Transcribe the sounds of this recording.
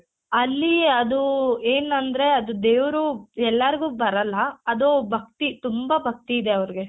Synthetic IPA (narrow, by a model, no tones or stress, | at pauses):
ɐlːiɐd̪ueːnɐnd̪ɐɾe̞ɐd̪ud̪eːʋɐɾuɛlːɐɾiɡuːbɐɾɐlːɐːd̪obʱɐk̚t̪it̪umbabʱɐk̚t̪iːd̪eɐʋɐɾiɡe̞